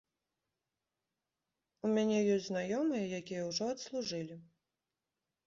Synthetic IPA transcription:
umʲanʲɛjɔsʲtʲznajɔmɨjɐjakʲijɛwʐɔɐt̪slˠuʐɨlʲi

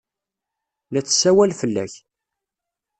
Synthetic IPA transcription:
læt͡sːə̥sːæwælfəlːæ̰ç

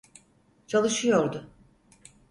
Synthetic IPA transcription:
t͡ʃʰalˠɯʃɯjo̞ɾd̪ʊ

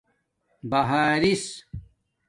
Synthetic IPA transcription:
bɐɦaːɾis

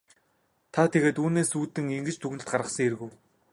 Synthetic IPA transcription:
t̪ʰat̪ʰeɣeːt̪uːneːsuːt̪ɘ̆ŋeŋɡɘ̆t͡ɕt̪ʰuɣnɘ̆ɬt̪̚ɢaɾʁə̆χsə̆ŋeɾɣuj

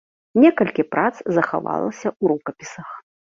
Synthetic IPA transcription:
nʲɛkɐlʲkʲipɾʔat̪szɐxa̰va̰lˠɐ̰sʲɐʔuɾukɐpʲisɐx

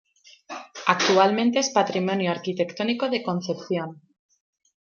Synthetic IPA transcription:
akt̪ualmẽnt̪eespat̪ɾimõnjoaɾkit̪e̞kt̪onikoðekonθe̞pθjon

